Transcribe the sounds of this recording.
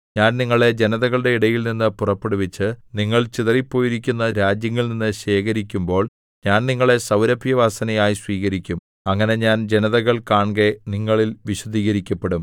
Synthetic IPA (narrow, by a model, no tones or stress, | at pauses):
ɲaːnniŋːɐɭe̞d͡ʑe̞nɐðɐɣɐɭɨɽe̞iɽɐjilninːɨpurɐpːeɽuʋit͡ɕːɨniŋːɐɭt͡ɕiðɐripːo̞ːjiɾikʲːunːɐɾaːd͡ʑjɐŋːilninːɨɕe̞ːkɐɾikʲːumbo̞ːɭ | ɲaːnniŋːɐɭe̞sɐwɾɐbʱjɐʋaːsɐnɐjaːjisʋiːɣɐɾikʲːum | ɐŋːɐne̞ɲaːnd͡ʑe̞nɐðɐɣɐɭkaːɳɡe̞niŋːɐɭilʋiɕɐd̪iːɣɐɾikʲːɐpːe̞ɽum